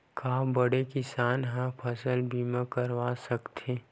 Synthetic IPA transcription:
kaːbəɽekɪsaːnɦɛ̃pʰəsəlbiːmãkəɾʋasəkt̪ʰe

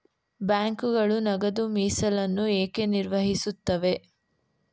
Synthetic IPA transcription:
baːŋkuɡɐɭunɐɡɐd̪umiːsɐlɐnːueːke̞niɾʋɐɦisut̪ːɐʋe̞

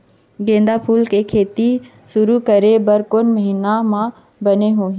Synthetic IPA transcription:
ɡẽːnd̪apʰuːlkekʰeːt̪i | sʊɾukɐɾebɐɾkʊnmɐɦiːnamã | bɐneɦoːɦ

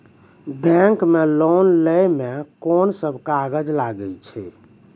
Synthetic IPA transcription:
bɛ̃ŋkmelonləjmekonsəbʱkaaɡəd͡ʒlaɡəlt͡ʃʰɛ̰

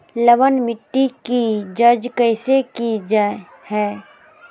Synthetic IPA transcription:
ləʋənmɪʈːikid͡ʒɐd͡ʒkəɪsekid͡ʒa | hɛː

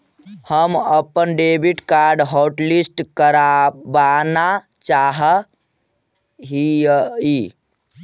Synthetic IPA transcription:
həməpənɖebiʈkaɾɖɦɔwʈlisʈkəɾabana | t͡ʃaɦə | ɦii

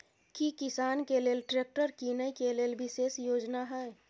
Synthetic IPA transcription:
kikɪsaːnkeleːlʈɾeːk̚ʈəɾkinəikeleːlbɪseːsjoːd͡ʒnaɦɛ

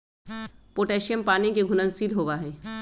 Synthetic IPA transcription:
poːʈeːʃijəmpaːnikeɡʱʊnənsiːlɦoːʋaɦɛː

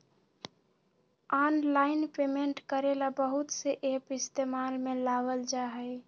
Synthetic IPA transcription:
ɔːnlaːɪnpemeɳʈkəɾelabəɦʊt̪seʔeːpɪst̪emaːlmẽlaʋəld͡ʒaɦɛɪ

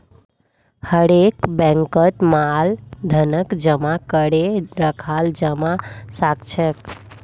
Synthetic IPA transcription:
həɾekbɛ̃ŋkət̪mald̪ʱənəkd͡ʒəmakəɽeɾəkʰald͡ʒəmasakt͡ʃʰək

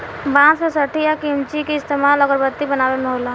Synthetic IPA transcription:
bãːt͡ʃsesəʈʰijakimt͡ʃikiɪst̪eːmaːlɔɡəɾbət̪ːibənaːʋemoːla

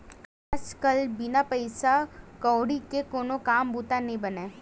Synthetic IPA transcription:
aːd͡ʒkɐlbɪnapəɪsakɔːɽikekoːnokaːmbuːt̪anɐɦĩbɐneː

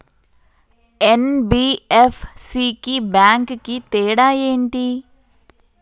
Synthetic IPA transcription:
enbiːefʰsikibjaːŋkkit̪eːɽaːjeːɳʈi

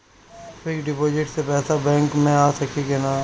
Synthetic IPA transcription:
pɪkɖɪpoːd͡ʒɪʈsepɛːsabɛ̃ːŋkmẽaːsəkʰikenaː

